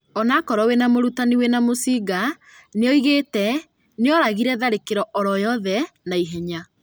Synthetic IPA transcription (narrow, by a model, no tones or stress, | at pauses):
ɔnakɔɾɔwenamoɾutaniwenamosiːɡa | neɔiɣetɛ | neɔɾaɣiɾɛðaɾekeɾɔʔɔɾɔjɔðɛnaiɦɛɲa